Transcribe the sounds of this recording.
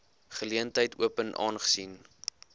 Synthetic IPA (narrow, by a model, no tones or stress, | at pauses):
χəliəntɦəjtṵəpənʔɑ̰ːnχə̥sin